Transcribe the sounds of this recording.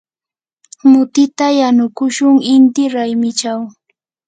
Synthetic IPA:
mʊt̪ɪt̪ajanʊkʊʃʊŋɪnt̪ɪɾajmɪt͡ʃaw

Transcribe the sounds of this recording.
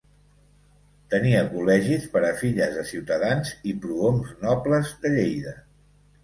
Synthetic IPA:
t̪əniəkulɛʒispəɾəfiʎəzəsiwt̪əðanzipɾuomznɔpləzðəʎejðə

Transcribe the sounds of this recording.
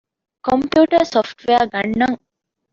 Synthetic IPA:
kompjuːʈəɾsofʈʋeaɡɐnːɐŋ

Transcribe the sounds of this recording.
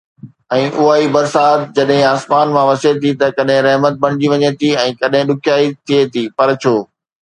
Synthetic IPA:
ɛ̃ːʔʊɦaːibɐɾsaːt̪d͡ʑɐɗɦɪ̃aːsmaːnmãʋɐset̪ʰit̪ɐkɐɗɦɪ̃ɾɐɦmət̪̚bɐɽ̃ɪd͡ʑiʋɐɲẽt̪ʰiɛ̃ːkɐɗɦɪ̃ɗʊkʰjaːit̪ʰiet̪ʰiːpɐɾt͡ɕʰoː

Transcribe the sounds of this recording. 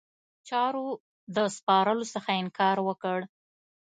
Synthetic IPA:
t͡ʃɑɾo | d̪əspɑɾəlosəxaɪŋkɑɾwəkəɽ

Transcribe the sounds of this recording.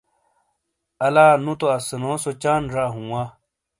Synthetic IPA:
ɐlaːnũt̪oɐsɐnoːsot͡ɕaːnɾaːɦũwaː

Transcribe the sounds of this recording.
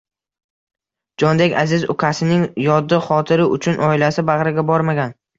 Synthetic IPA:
d͡ʒɒnd̪ekʲazɪzʊkʲʰasɪnɪŋjɒd̪ːɪχɒt̪ʰɪɾɪʔʊt͡ʃʰʊnʔɒɪlasɪbaʁɾɪɡʲabɒɾmaɡʲan

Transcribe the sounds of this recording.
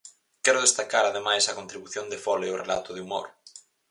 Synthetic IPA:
kɛɾʊð̞est̪akaɾaðemajsɐkont̪ɾiβuθjond̪efɔleorela̰t̪ʊðɪumo̰ɾ

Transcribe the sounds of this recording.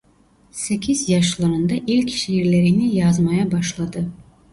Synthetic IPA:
sekʲizjɑʃlˠɑɾɯnd̪ɑʔelʲkʲi̥ʃiiɾle̞ɾinijɑzmɑjɑbɑʃlˠɑd̪ɯ

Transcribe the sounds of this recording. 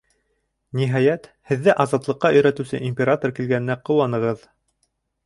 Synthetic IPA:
niɦɑjæt̪hɘ̆ðːɘʔɑzɑt̪lˠɤ̆qːɑɵ̆jɾæt̪ɘ̆wsɘʔimʲpʲeɾat̪orkilɡænɘ̆næqɤ̆wɑnɤ̆ʁɤð

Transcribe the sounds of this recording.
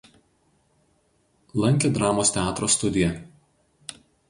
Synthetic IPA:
lˠɐŋʲkʲed̪ɾɑːmoːst̪ʲɛɑːt̪ɾoːst̪ʊd̪ʲɪjɛ

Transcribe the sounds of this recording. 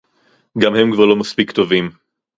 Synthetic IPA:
ɡamhe̞mkvaʁlo̞maspikt̪o̞vim

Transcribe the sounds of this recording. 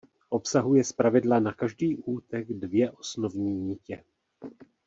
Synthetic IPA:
ʔo̞psaɦujɛspɾavɪdlanakaʒdiːʔuːt̪ɛɡdvjɛʔosno̞vɲiːɲiːcɛ

